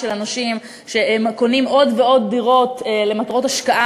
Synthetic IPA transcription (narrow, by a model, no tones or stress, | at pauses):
elanaʃim | ʃe̞emko̞nimo̞dveo̞d̚ːiʁo̞tle̞matʁo̞taʃkaʔa